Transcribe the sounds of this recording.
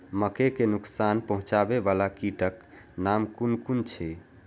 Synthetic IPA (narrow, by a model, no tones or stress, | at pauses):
məkekenuksanpəɦũt͡ʃabebalakiʈək | namkunkunt͡ʃʰɛ